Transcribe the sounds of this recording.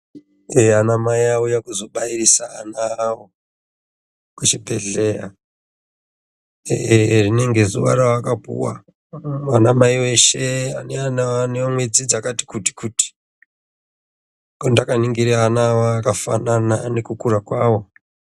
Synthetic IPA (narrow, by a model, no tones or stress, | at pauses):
eanamaiaujakuzo̞ɓairisaːnaːwo | kut͡ʃibʱeɮe̞ja | erine̞ŋɡe̞zuʋa̰ɾawakabʱṵwa̰ | wanamaiwe̞ʃe̞aneanaaneamwed͡zid͡zakati̥kuti̥kuti̥ | kondakaniŋɡiɾeanawaːkafa̰nanane̞kukuɾakwaːwo̞